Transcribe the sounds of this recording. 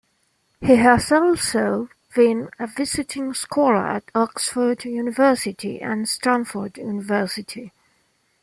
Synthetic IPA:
hiɦəsɔlˠsoʊ | b̥ɪ̃nəvɪzɪtʰɪ̃ŋskʰwɔlə̰˞ə̰tɔksfə˞djʉnɪvɜˑsɪtʰḭʔə̰̃nstɹ̥æ̃nfə˞djʉnɪvɜˑsɪtʰi

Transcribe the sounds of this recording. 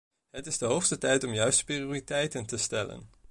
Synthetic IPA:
ɦətɪzdəɦowχstətɛjtɔmjœɥstprioːritɛjtəntəstɛlə̰n

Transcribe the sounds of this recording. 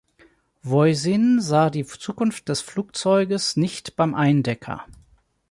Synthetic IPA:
vɔʏzɪnzaːdiːt͡suːkʊnft̚d̥ɛsfluːk̚t͡sɔʏɡəsnɪçtb̥aɪmʔaɪndɛkʰɐ̰

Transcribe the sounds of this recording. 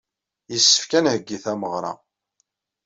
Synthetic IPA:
jəsːə̥fkænhəɡːiθæməʁɾˤɑ̰

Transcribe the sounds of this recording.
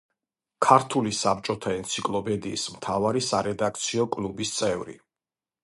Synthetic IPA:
kʰaɾt̪ʰulisap̚t͡ʃʼɔt̪ʰaɛnt̪sʰikʼlˠɔpʰɛd̪iːsmt̪ʰavaɾisaɾɛd̪ak̚ʰt̪sʰiɔkʼlubist̪sʼɛvɾḭ

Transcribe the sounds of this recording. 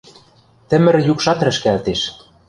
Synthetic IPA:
t̪ɘ̆mɘ̆ɾjukʃɑt̪ɾɘ̆ʃkælt̪eʃ

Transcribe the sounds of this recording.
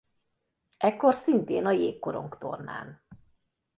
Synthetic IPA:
ʔɛkːo̞rsint̪eːnɒjeːkko̞ɾo̞̰ŋkt̪o̰rna̰ːn

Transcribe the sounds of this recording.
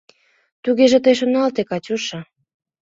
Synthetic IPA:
t̪uɣeʒĕt̪əjʃonɑlt̪ekɑt͡ɕuʃɤ

